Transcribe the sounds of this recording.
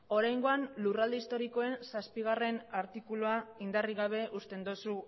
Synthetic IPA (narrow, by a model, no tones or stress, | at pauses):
o̞ɾajŋɡo̞anlurald̪eist̪o̞ɾiko̞e̞nsaspiɣ̞are̞naɾt̪ikuluaind̪ariɣ̞aβ̞e̞ʔust̪e̞nd̪osu